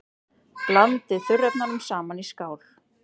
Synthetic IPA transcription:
plant̪ɪθʏrɛpnaɾʏmsaːmaniskaːwl̥

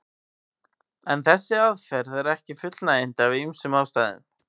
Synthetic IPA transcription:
ɛnθɛsːɪaðfɛɾðɛɾɛhcɪfʏt̪lnaejn̥t̪avɪðymsʏmawst̪aːjðɪ̰n̥

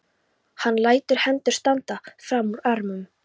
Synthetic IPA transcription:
hanːlaːjt̪ʏɾ̥hɛnt̪ʏ̥st̪ant̪afɾamːuɾaɾmʏm

